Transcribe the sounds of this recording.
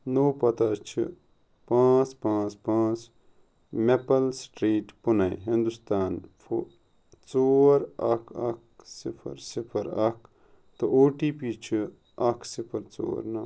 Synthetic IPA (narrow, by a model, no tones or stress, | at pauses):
noːpɐt̪at͡ʃʰḭ | pãːt͡spãːt͡spãːt͡s | mepɐlsʈɾiːʈpunaḭɦind̪ust̪aːnf | t͡soːɾɐkʰɐ̰k̚sipʰɐ̰ɾsipʰɐɾɐk̚ʰ | t̪ɐʔoːʈiːpiːt͡ʃʰi | ɐkʰsipʰɐɾt͡so̰ːɾna